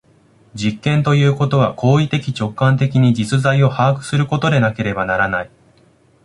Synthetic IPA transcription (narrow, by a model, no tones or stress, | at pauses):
d͡ʑikːẽ̞nt̪o̞jɯ̟ːko̞t̪o̞β̞akʰo̞ːit̪e̞kʲit͡ɕo̞kːãnt̪e̞kʲiɲ̟id͡ʑit͡sɨzaio̞haːkɯ̟̥sɨɾɯ̟ko̞t̪o̞d̪e̞nake̞ɾe̞banaɾanai